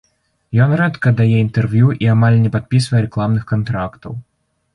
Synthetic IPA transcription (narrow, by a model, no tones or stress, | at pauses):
jɔnrɛt̪kɐd̪ajɛint̪ɛrvʲjuʔiamalʲnʲɛpat̪̚pʲisvɐjɛɾɛklˠamnɨxkant̪ɾakt̪ɐ̰w